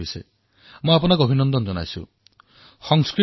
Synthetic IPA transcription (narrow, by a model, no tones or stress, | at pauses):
isɔe | mɔap̬ɔnakuobʱinɔnd̪ɔnd͡ʒɔna̰jsṵ | sɔŋskɾi